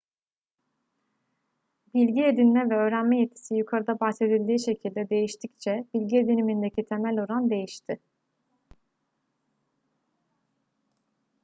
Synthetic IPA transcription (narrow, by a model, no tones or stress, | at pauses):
bilʲɟied̪inmɛvɛø̞ːɾænmɛjet̪ʰːi̥sijukʰaɾɯd̪abaxse̞d̪ilʲd̪iːʃe̞cʰilʲd̪ɛd̪e̞jiʃt̪ʰic̚t͡ʃʰɛb̥ilʲɟied̪inimind̪e̞cʰit̪ʰemælʲo̞ɾand̪e̞jiʃt̪ʰɪ